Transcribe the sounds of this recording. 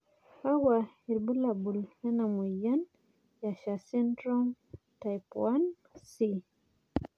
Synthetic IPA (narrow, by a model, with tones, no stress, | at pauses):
ka˦wa˨hi˨lbu˦la˨bu˨lhɛ˦na˨mu˨ja˦n | ja˨ʃa˨si˦ntɾɔ˦m | ta˨jpwa˦n | si˦